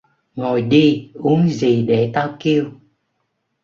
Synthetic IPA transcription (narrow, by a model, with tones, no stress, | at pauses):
ŋo˨˩jɗi˧ʔu˨˦əŋzi˨˩ɗe˧˩t̪aː˧wki˧əw